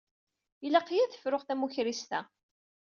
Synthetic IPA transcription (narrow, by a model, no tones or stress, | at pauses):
ilɑqːjæθə̥fɾʊχθæmuçɾist̪æ̰